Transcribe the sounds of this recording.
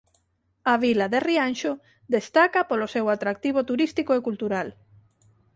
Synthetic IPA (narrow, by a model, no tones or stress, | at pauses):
aβilaðerianʃo | d̪est̪akapolosewat̪ɾak̚t̪iβ̞ot̪uɾist̪ikoekult̪uɾal